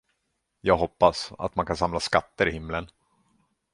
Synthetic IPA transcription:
jɑːɡɦɔpːasa̰t̪mankʰansamlaskat̪ːəɾɪhɪmːlən

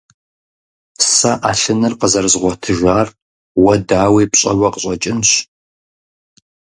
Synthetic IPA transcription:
sɐʔaːɬɨnɨrqəzɐrzʁʷɔtʰɨʒʷaːr | wɐdaːwiːpɕʼɐwɐqəɕʼɐt͡ʃʼɪnɕ

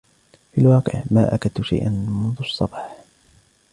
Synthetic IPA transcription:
filwɑːqɨ̰ʕmaːʔakat̪ʊʃa̰jʔanmʊnðʊɑsˤːɑbɑːħ

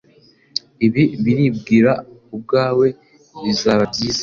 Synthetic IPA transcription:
iβiβiɾibɡiːɾaub̚ɡaːwe̞ | βizaβabɟiːz

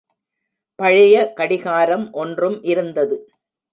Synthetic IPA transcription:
pɐɻɪjɐkɐɽɪɣaːɾɐmʔɔndrɯmʔɪɾɯnd̪ɐðɯ

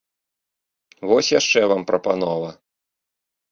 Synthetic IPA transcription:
vɔsʲjaʂt͡ʂɛvampɾɐpanɔvɐ

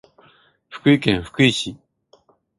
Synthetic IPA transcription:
ɸɯ̥kɯikẽɰ̃ɸɯ̥kɯiɕi

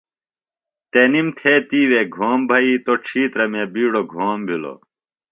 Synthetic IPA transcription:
t̪enimt̪ʰeːt̪iːweːɡʱoːmbʱɐiːt̪oʈ͡ʂʰiːt̪ɾɐmẽːbiːɽoɡʱoːmbʱilo̰

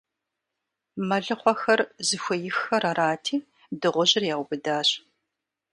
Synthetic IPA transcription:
mɐɮɨqʷɔxɐrzɨxʷɐjɪxɐrɐɾaːtʰiː | dɨʁʷʊʑɪrjaːwʷʊbɨdaːɕʼ

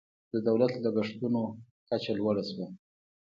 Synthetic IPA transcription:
d̪əd̪awlat̪laɡaʂt̪uno | kat͡ʃalwaɽaswa

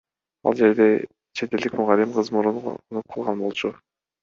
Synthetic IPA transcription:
ɑ̰lˠd͡ʒe̞ɾd̪e̞ | t͡ʃʰe̞t̪eld̪ikmʊʁɑlːimqʰɯzmuɾun̰nup̚qʰːɯlˠʁɑnbo̞lˠt͡ʃʰu

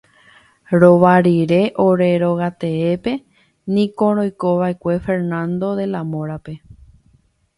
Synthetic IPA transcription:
ɾo̞ʋaɾiɾe̞ʔoɾe̞ɾo̞ɣat̪e̞epe̞ | nĩkõ̞ɾ̃õjko̞ʋae̞kʷe̞fe̞ɾnãnd̪o̞ðe̞lamõɾape̞

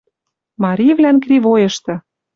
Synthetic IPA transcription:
mɑɾʲivlænkrivojɤ̆ʃt̪ɤ̆

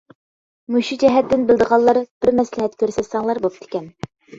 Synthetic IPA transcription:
muʃid͡ʒɛɦɛt̪ːɪnbɪlˠd̪əʁɑlˠːɑɾb̥ɪɾmɛslɪɦɛt̪kʲʰøɾsɛt̪sɑŋlˠɑɾbop̚t̪ʰɪ̥kʲɛn

